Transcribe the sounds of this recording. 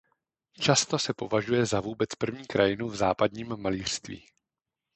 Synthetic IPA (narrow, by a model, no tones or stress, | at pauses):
t͡ʃast̪o̞sɛpo̞vaʒujɛzavuːbɛt͡spr̩vɲiːkɾajɪnuvzaːpadɲiːmːaliːr̥st̪vḭː